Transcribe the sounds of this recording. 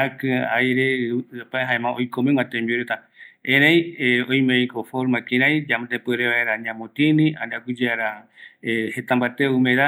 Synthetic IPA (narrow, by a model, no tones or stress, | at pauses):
akɨ̃a̰jɾeapaeɦaẽmãojkomẽŋãt̪ẽmbiuɾet̪a | ẽɾejeõj̃mejkofoɾmãkĩɾ̃ãj̃d͡ʒamt̪epɨɾeβaeɾaɲãmõt̪ĩnĩaniakud͡ʒeaɾa | het̪ãmbat̪eumẽɾa